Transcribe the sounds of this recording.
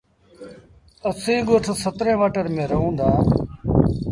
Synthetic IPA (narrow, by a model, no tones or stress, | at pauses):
əsẽːɡoːʈʰsət̪ɾẽːʋaːʈəɾmẽːɾəɦũːnd̪aː